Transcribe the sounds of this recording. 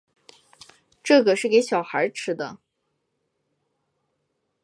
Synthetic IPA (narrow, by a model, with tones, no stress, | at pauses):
ʈ͡ʂɤ˥˩ɡə˩ʂɻ̩˥˩ke˧˥ɪɕjɑ˨˩ʊxə˞˧˥ʈ͡ʂʰɻ̩˧˥d̪ə̰˧